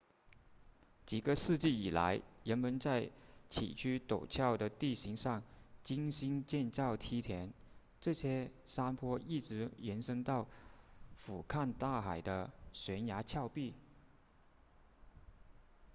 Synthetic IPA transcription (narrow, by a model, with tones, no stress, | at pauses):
t͡ɕi˨˩ɡə˧˦ʂɻ̩˥˧t͡ɕi˥˩i˨˩la̰˧˥ɪɻə˧˥nmə˧˥nt͡sa˥˩ɪt͡ɕʰḭ˨˩t͡ɕʰy˥t̪o˨˩ʊt͡ɕʰjɑ˥˩ʊd̪ə˩t̪i˥˩ɕi˧˥ŋʂɑ˥˩ŋt͡ɕi˥ŋɕi˥nt͡ɕjɛ˥˧nt͡sɑ˥˩ʊt̪ʰi˥t̪ʰjɛ˧˥n | ʈ͡ʂɤ˥˧ɕjɛ˥sa˥npʰwɔ˥i˥˩ʈ͡ʂɻ̩˧˥jɛ˧˥nʂɤ˥ŋt̪ɑ˥˩ʊ | fu˨˩kʰa˥˧nt̪a˥˩xa˨˩ɪd̪ə˦ɕɥɛ˧˥nja˧˥t͡ɕʰjɑ˥˧ʊpi˥˩